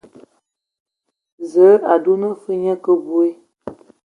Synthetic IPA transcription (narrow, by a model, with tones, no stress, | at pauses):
zə˨˦a˨du˦nə˦fə˦ɲə̃˦kə˦bu˦e˦